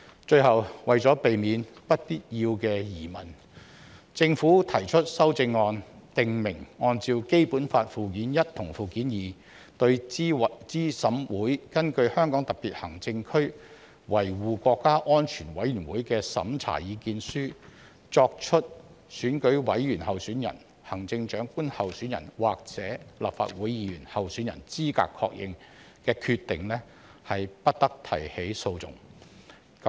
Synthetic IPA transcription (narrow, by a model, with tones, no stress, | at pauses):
t͡ʃɵ˧ɥhɐ˨˩wwɐ˨jt͡sɔː˨˥pe˨jmiː˨˧npɐ˥t̚piː˥t̚jiː˧wkɛː˧jiː˨˩mɐ˨˩n | t͡sɪ˧ŋfuː˨˥t̪ʰɐ˨˩jt͡ʃʰɵ˥t̚sɐ˥wt͡sɪ˧ŋːɔː˧nt̪ɪ˨ŋmɪ˨˩ŋɔː˧nt͡siː˧wke˥jpuː˨˥nfaː˧t̚fuː˨kiː˨˥njɐ˥t̚t̪ʰʊ˨˩ŋfuː˨kiː˨˥njiː˨˩ | t̪ɵ˧ɥt͡siː˥sɐ˨˥mwuː˨˥jkɐ˥nkɵ˧ɥhœː˥ŋkɔː˨˥ŋt̪ɐ˨k̚piː˨t̚hɐ˨˩ŋt͡sɪ˧ŋkʰɵ˥ɥ | wɐ˨˩jwuː˨kʷɔː˧kːaː˥ʔɔː˥nt͡ʃʰyː˨˩nwɐ˨˥jyː˨˩nwuː˨˥jkɛː˧sɐ̰˨˥mt͡sʰa̰ː˨˩jiː˨˧kiː˧nsyː˥ | t͡sɔː˧k̚t͡ʃʰɵ˥t̚ | syː˨˥nkɵ˨˥ɥwɐ˨˥jjyː˨˩nhɐ˨wsyː˨˥njɐ̰˨˩n | hɐ˨˩ŋt͡sɪ˧ŋt͡ʃœː˨˥ŋkuː˥nhɐ˨wsyː˨˥njɐ̰˨˩nwaː˨k̚t͡sɛː˨˥la̰˨p̚fa̰ː˧t̚wuː˨˥jjiː˧jyː˨˩nhɐ˨wsyː˨˥njɐ̰˨˩nt͡siː˥ka̰ː˧kʰːɔ̰ː˧k̚jʔɪ̰˨ŋ | kɛː˧kʰyː˧t̪ːɪ˨ŋlɛː˥ | hɐ˨jpɐ˥t̚t̪ɐ˥k̚t̪ʰɐ̰˨˩jhe˨˥jso˧wt͡sʊ̰˨ŋ